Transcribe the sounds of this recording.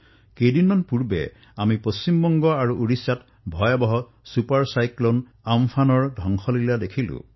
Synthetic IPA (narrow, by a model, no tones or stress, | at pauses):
kejdinɔnpuɹbḛ | amiposimbɔŋɡɔaɹuʔuɹisat | bʱɔjabɔɦɔ | supaɹsajklon | ampʰanɔɹdʱɔŋxʰɔlilad̪ekʰilṵ̃